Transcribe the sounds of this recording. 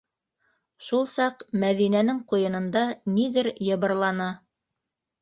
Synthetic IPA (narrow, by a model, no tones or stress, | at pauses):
ʃulˠsɑqmæðinænɘŋqujɤ̆nɤ̆nd̪ɑniðɘɾjɤ̆βɤ̆ɾlˠɑnɑ